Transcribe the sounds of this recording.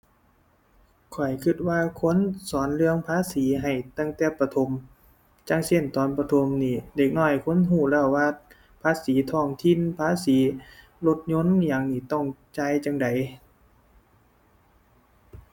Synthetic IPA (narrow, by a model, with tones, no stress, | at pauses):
kʰɔ˨˩jkʰɯ˧˩t̪̚waː˧kʰo˧˥˨nsɔː˨˦nlɯ˧əŋpʰaː˧˥˨siː˨˦ɦa˨˩jt̪a˧˩ŋt̪ɛː˧˩pa˧t̪ʰo˧˦m | t͡ɕa˧˥ŋse˧˩˨nt̪ɔː˨˦npa˧t̪ʰo˧˦mniː˧˩deː˧˩k̚nɔː˧˩jkʰo˧˥˨nɦuː˧˩lɛː˧˩wwaː˧ | pʰaː˧˥siː˨˦t̪ʰɔː˧˩ŋt̪ʰi˧˨npʰaː˧˥˨siː˨˦ | lo˧t̪̚ɲo˧˥˨njaː˧˩ŋniː˧˩t̪ɔ˧˩ŋt͡ɕaː˧˨jt͡ɕa˧˥ŋda˨˦j